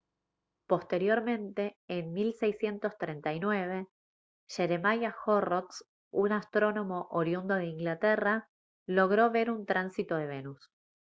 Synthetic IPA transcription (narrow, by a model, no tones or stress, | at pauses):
po̞st̪e̞ɾjo̞ɾmẽ̞nt̪e̞ːnmilsejsje̞nt̪o̞st̪ɾent̪ajnwe̞β̞e̞ | ʃe̞ɾemajaxorot̪s | unast̪ɾo̞no̞mo̞ʔoɾjund̪oðeiŋɡlat̪ɛra | lo̞ɣ̞ɾo̞βe̞ɾunt̪ɾansit̪o̞ð̞e̞β̞e̞nus